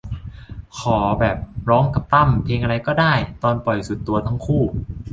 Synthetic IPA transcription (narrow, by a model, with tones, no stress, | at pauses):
kʰɔː˩˦bɛː˨˩p̚ɾɔː˦˥ŋka˨˩p̚t̪a˥˩mpʰeː˧ŋʔa˧ɾa˧jkɔː˥˩daː˥˩jt̪ɔː˧npɔ˨˩jsu˨˩t̪ːu˧ɐt̪ʰa˦˥ŋkʰuː˥˩